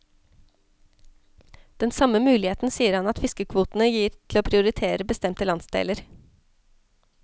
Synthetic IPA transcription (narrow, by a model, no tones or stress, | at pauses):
d̪̥ɛnsɑməmʉːlɪheːt̪n̩siːəɾhɑnɑt̪fɪskəkʰʋuːt̪n̩əjiːɾt̪ʰloːpʰɾɪʊɾɪt̪ʰeːɾəbəst̪ɛmt̪əlɑnsd̪ḛːləɾ